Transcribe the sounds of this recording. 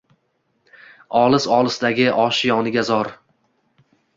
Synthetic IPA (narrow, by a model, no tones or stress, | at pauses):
ɒlˠɪsɒlˠɪsd̪aɡʲɪʔɒʃjɒnɪɡʲazɒɾ